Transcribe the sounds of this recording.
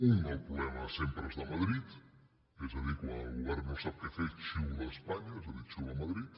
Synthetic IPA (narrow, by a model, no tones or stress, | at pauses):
uŋːɔwpɾuβɛməsempɾəezðəmɐð̞ɾit̪ | ezəðikwalˠɣuβɛɾnosap̚kefet͡ʃiwðəspaɲaezəðit͡ʃuəmɐðɾit̪